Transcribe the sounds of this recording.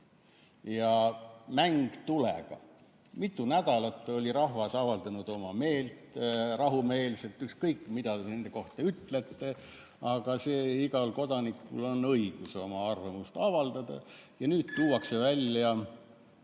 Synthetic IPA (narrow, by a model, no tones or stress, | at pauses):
jɑmæŋɡ̥t̪ulɛ̰ɡ̥ɑ̰ | mit̪ˑːunæd̪̥ɑlɑt̪ːˑeo̞lʲiɾɑɦvɑsɑvɑld̪̥ɑnud̪o̞mɑme̞ːlt̪rɑɦume̞ːlse̞lt̪ːˑykskɤjkːˑmid̪̥ɑd̪ene̞nd̪̥e̞ko̞ht̪ɑyt̪ːle̞t̪ːe | ɑɡ̥ɑseːiɡɑlko̞d̪̥ɑnikːulo̞nɤiɡ̥uso̞mɑɑrvɑmust̪ɑvɑld̪̥ɑd̪̥ɑ̰jɑnyːd̪̥t̪uːwɑksevælʲjɑ